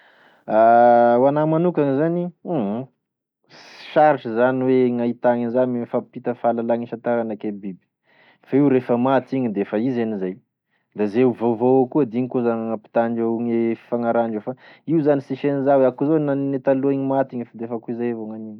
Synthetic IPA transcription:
awanamanukaŋizaniɦ | sʃaɾiʈ͡ʂəzaniweŋait̪aŋinzanmefapit̪əfalalaŋiʃat̪aɾanakebibi̥ | faiwɾefəmat̪iɲid̪eefaizenizaj | lazewvovoakuəd̪iɲikozanŋapi̥t̪aɳɖ͡ʐeŋefi̥faŋaɾaɳɖ͡ʐewfa | iuzanisiʃenizawakuzawenanet̪aluaiɲimat̪iɲfad̪efakuizajavoŋaniɲ

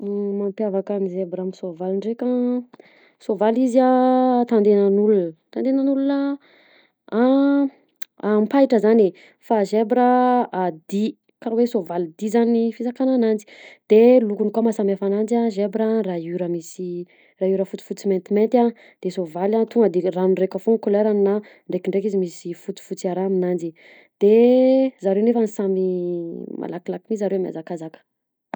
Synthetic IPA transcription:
mampjavakamizebɾamisovaliɳɖ͡ʐeka | sovaliziat̪and̪enanulunt̪and̪enanulunə | a | ampajʈ͡ʂəzane | faʒebɾəad̪i | kaɾwesovalid̪izanifisakananand͡zi̥d̪̥elukunikamasamafanand͡ʒiaʒebɾərauɾəmisi | rauɾəfut͡si̥fut͡siment̪iment̪ʲa | d̪̥esovalant̪uŋɡəd̪eranrekəfoŋikoleɾanina | ɳɖ͡ʐekiɳɖ͡ʐek̬izimisifut͡si̥fut͡siaɾaːminand͡ʒi | d̪̥ezaɾewnefanisami | mʔa̰lakilakimizaɾewamia̰zakazakə̥

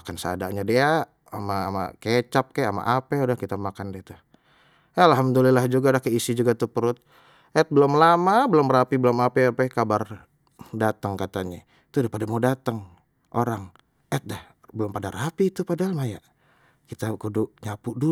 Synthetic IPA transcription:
makansəa̰da̰ʔɲadia | ama̰ːma̰ket͡ʃap̚kaama̰ʔapɛudahkit̪amakandet̪a | alɦamd̪ulilahd͡ʒuɡadahkəisid͡ʒuɡat̪upəɾʊt̪̚ | ʔɛt̪̚bəlʊmlamabəlʊmɾapibəlʊmapɛapakabar | dat̪aŋkat̪aɲa | t̪udipadamadat̪əŋ | ʔoɾaŋ | ɛt̪̚dah | bəlʊmpadarapit̪upadaɦalmajaʔ | kit̪akudʊʔɲapuʔdu

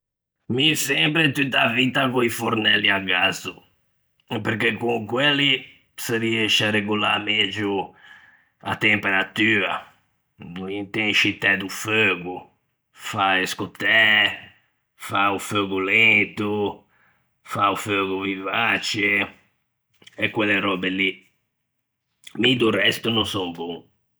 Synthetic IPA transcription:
misɛ̃mpɾet̪ut̪avit̪akoifoɾnɛliaɡazu | ɛpeɾkekũkweli | seɾiɛʃaɾeɡulamed͡ʒu | a̰t̪empeɾat̪yːa | ĩt̪ẽnʃit̪ɛd̪uføɡu | faeskot̪ɛ | fauføɡulent̪u | fauføɡuvivat͡ʃe | ɛkːweleɾɔbeli | mid̪urɛst̪unõnsɔŋbɔŋ

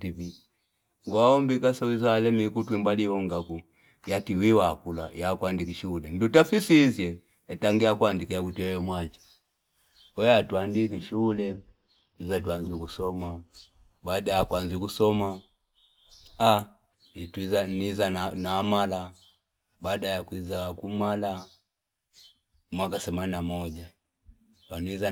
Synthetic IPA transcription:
tivi | ŋɡwaɔmbikasawizaːlɛmikutwimbaliɔŋɡaku | jatiwiwakula̰jakwandikiʃulɛndutafisizjɛ | ɛtaŋɡiakwandikijakutiɛjɔmwat͡ʃi̥ | ɔjatwandikiʃulɛ | nizatwanzikusɔma | baːdajakwanzikusɔma | a | itizanizanaːmala | baːdajakwizakumala | mwakasɛmaninamɔʄa | waniza

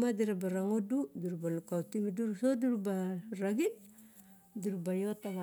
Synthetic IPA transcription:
madiɾabaɾaŋoduduɾubalukautimiduɾusoduɾubaɾaɡit̚ | diɾubajotama

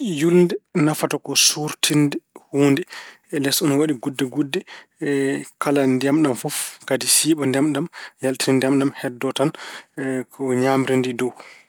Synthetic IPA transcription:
julndɛnafatakɔsuɾtʰindɛhuːndɛ | lɛsɔnɔwaɗiɡudːɛɡudːɛ | kalandiamɗamfɔfkadisiːɓandamɗamjaltiɾindiamɗamhɛdːɔtan | kʰɔɲaːmiɾindidɔw

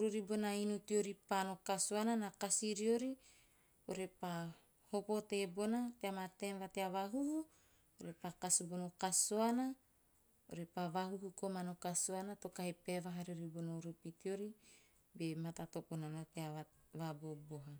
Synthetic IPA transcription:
ɾuɾibonainutioɾipano̞kasoananakasiɾioɾi | oɾepa | hopo̞tebo̞nateamatenvateavaɦuhu | oɾepakasobonokasoana | o̰ɾepavaɦuhukomanokasoanatokahepevaɦaɾioɾibonauɾupitio̞ɾi | bematatoponanateaa | vabobo̞ɦa

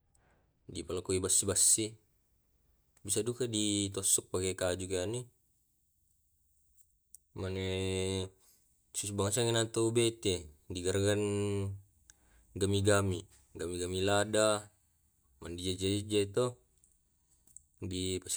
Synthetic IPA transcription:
dipalakuibasːibasːi | bisadukadit̪ɔsɔk̚pakekad͡ʒukeani | mane | susbaŋasaŋinat̪ubet̪ediɡaɾaɡan | ɡamiɡami | ɡamiɡamilada | mandid͡ʒad͡ʒaid͡ʒat̪ɔ | dipas

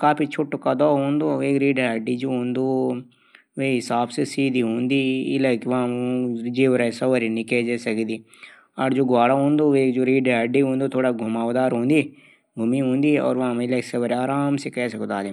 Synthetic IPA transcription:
kaːpʰit͡ʃʰoːʈokad̪ɔːɦõːnd̪oeːkɾiːɖaːɖid͡ʒoːɦõːnd̪o | ʋeɦɪsaːbsesiːd̪iɦõːnd̪ḭːlaɪkʋɐãd͡ʒeːʋɾasɐʋəɾinɪked͡ʒeːsɐkd̪iː | ɔːɾd͡ʒoːɡaːɽaɦõːnd̪oʋeːkd͡ʒoːɾiːɖaːɖiɦõːnd̪ot̪ʰoːɽaɡʱʊmaːʋd̪aːɾɦõːnd̪i | ɡʱʊmiɦõːnd̪iɔ̰ːɾʋɐɦãɪlaːɪksɐʋəɾaːɾaːmsekɛːseɡʊt̪aːd̪e

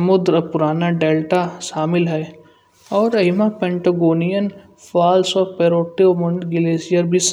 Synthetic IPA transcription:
mʊd̪ɾɐpʊɾaːnaɖeːlʈaʃaːmɪlɦɛː | ɔːɾɐɦɪmapẽːɳʈɐɡoːnijən | faːlsɔːɾpeːɾoːʈːiomʊ̃ɳɖɡɪleːsijəɾbʱis

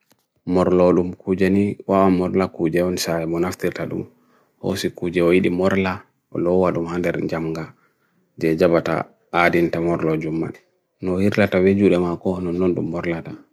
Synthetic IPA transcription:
mɔɾlɔɗumkud͡ʒaniwawamɔɾlakud͡ʒɛɔnisajɛmɔnaftiɾtaɗṵm | ho̰sikud͡ʒɛɔjiɗimɔɾla | ɔ̰lɔwaɗumhandɛɾd͡ʒamɡa | d͡ʒɛd͡ʒabata̰ | adintamɔɾlɔd͡ʒumːa̰n | nɔhiɾlatawed͡ʒuɗɛmakɔnɔnːɔnɗṵmːɔɾlata

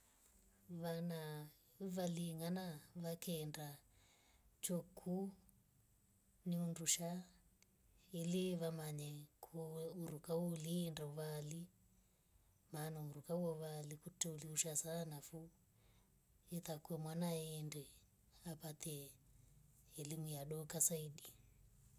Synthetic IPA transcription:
ʋana | ʋaliŋanaʋakenda | t͡ʃokʰu | niunduʃa | iliʋamaɲɛkʰuuɾukauliːndauʋali | manauɾukawɔβalikutɛuliuʃasaanafu | ɛt̪akwɛmwanaɛːndɛ | apat̪ɛ | limijaɗɔkasaiɗi

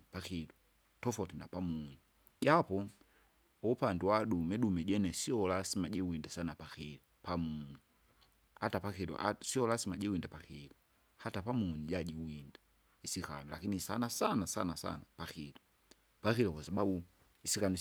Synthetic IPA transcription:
paxilu | tɔfɔtinapamuɲi | ɟapɔ | ɔpandɛwadumɛɗumɛɟɛnɛsiɔlasimaɟɛwindasanapaxilupamuɲi | hatapaxilṵʔa̰siɔlasimaɟɛwindapaxilu | hatapamuɲiɟaɟiwinda | isika̰nula̰kinisanasanasa̰nasa̰napaxilu | paxilɔkasababu | isikanu

